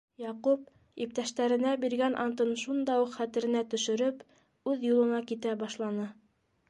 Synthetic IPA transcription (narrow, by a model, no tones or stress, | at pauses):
jɑqup̚ | ip̚t̪æʃt̪æɾɘ̆næbiɾɡænʔɑ̰nt̪ɤnʃund̪ɑuqχæt̪ɘ̆ɾɘ̆næt̪ɵ̆ʃɘ̆ɾɵp | ʉðjulˠɤ̆nɑkit̪æbɑʃlˠɑnɤ